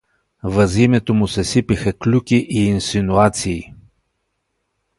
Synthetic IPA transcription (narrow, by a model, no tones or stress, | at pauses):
vəzimɛt̪omʊsɛsipixəklʲukiʔiːnsinuat̪siː